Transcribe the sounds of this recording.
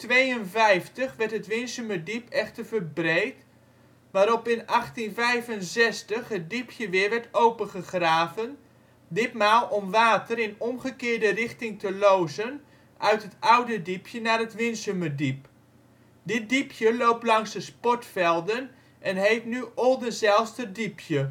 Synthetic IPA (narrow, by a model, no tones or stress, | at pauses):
tʋejənvɛjftəχʋɛɹtɦətʋɪnsymədipɛχtərvərbrejt | ʋaːɾɔpɪnɑχtinvɛjvənzɛstəχɦət̚dipʰjəʋɪəɹʋɛɹtowpəχəχraːvən | dɪtmaːlˠʔɔmʋaːtəɾɪnɔmχəkɪːɹdərɪχtɪŋtəlowzən | ʔœɥtɦətʌwdədipʰjənaːrətʋɪnsymədip | dɪt̚dipʰjəlowplɑŋsdəspɔtfɛlˠdən | ʔɛnɦejtnyɔlˠdənzɛlˠstədipjə